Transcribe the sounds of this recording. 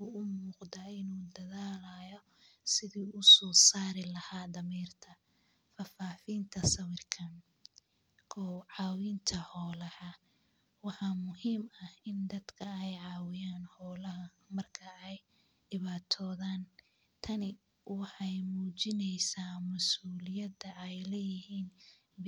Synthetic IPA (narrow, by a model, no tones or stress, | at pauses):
ʊʊmuːqd̪aːɪnuːd̪ɐðaːlaːjɔ | sɪðiːʊsɔːsaːɾɪlɐhaːd̪ɐmiːrt̪ʰɐ | fɐfaːfiːnt̪ʰɐsɐwɪrkʰɐn | kʰɔwʕɑːwiːnt̪ʰɐhɔːlɐhɐ | wɑħɑmʊhiːmɐhɪnd̪ɐd̪kʰɐɛjʕɑːwɪjaːnhɔːlɐɦɐ | mɐrkʰɐɛj | dɪβaːt̪ʰɔːðaːn | t̪ʰɐnɪ | wɑħɑjmuːt͡ʃɪnɛjsaːmɐsuːlɪjɐd̪ɐʔɛjlɛjɪhiːn